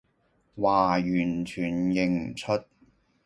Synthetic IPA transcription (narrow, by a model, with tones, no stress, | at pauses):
waː˨˩jyː˨˩nt͡ʃʰyː˨˩njɪ˨ŋm̩˨˩t͡sʰɵ˥t̚